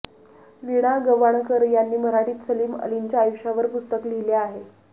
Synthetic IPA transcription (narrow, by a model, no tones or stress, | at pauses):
ʋiɽ̃aɡəʋaɳ̃kəɾjanːiːməɾaʈiːt̪səliːmə̰liɲt͡ɕjaːjuɕaʋəɾpust̪əklileaɦe